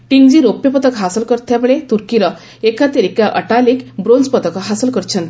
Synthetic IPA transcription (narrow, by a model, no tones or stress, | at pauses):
ʈiŋɡd͡ʑiɾopːjəpət̪əkɦasəlkəɾt̪ʰjaməɭet̪uɾkiɾə | ekat̪eɾikaʔə̰ʈalikbɾond͡zpət̪əkɦasəlkəɾt͡ɕʰənt̪